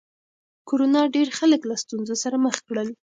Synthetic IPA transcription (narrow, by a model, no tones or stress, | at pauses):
koɾonɑɖeɾxaləklast̪unzosaɾaməxkɽəl